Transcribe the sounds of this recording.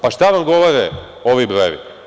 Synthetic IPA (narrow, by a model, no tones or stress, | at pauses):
paʃt̪aʋamɡo̞ʋoɾe | o̞ʋibɾojḛʋḭ